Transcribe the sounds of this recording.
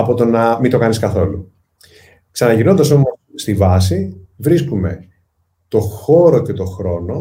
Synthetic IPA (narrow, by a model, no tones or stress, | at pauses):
ɐpo̞t̪o̞nɐmit̪o̞kɐniskɐθo̞lu | ksɐnɐʝino̞nd̪ɐso̞mosst̪ivɐs̬ivɾiskume̞̰ | t̪o̞xo̞ɾoce̞t̪o̞xɾo̞no̞